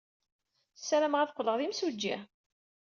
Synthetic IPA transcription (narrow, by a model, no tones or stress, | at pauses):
sːæɾæmʁaθqʷːləʁðimsud͡ʒːḭ